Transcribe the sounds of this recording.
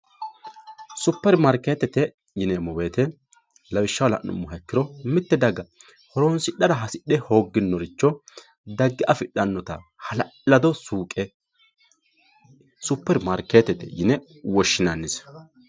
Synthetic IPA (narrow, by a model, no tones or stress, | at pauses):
sʊpːɛɾmɐɾkeːt̪ɛt̪ɛ | jɪnɛmɔbeːt̪ɛ | lɐwɪʃːɐwlɐ̰ʔnʊ̰mːʊɦɐkːɪɾɔmɪt̪ːɛd̪ɐɡɐ | hɔɾoːnsɪɗːɐd̪ɐɦɐsɪɗɛho̞ːɡːɪnːɔɾɪt͡ʃːɔ | d̪ɐɡːɪʔɐfɪɗːɐnːɔt̪ɐhɐlɐlɐd̪ɔsuːkʼɛ | sʊpːɛɾmɐɾkeːt̪ɛt̪ɛ̰jɪnɛ | wɔʃːɪnɐnːɪs